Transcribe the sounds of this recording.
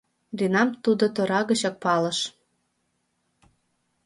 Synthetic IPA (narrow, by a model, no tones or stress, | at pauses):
rinɑmt̪ud̪ot̪oɾɑɣət͡ɕɑk̚pɑlɤ̆ʃ